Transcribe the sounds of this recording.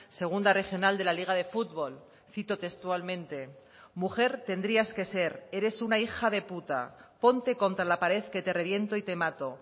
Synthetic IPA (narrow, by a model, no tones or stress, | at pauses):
se̞ɣ̞und̪are̞xjo̞nald̪e̞laliɣ̞aðe̞fut̪βo̞l | θit̪o̞t̪e̞st̪ualmẽnt̪e̞ | muxe̞ɾt̪e̞nd̪ɾiaske̞se̞ɾe̞ɾe̞sunaixaðe̞put̪a̰po̞nt̪e̞ko̞nt̪ɾalapaɾe̞θke̞t̪e̞re̞βje̞nt̪oit̪e̞mat̪o̞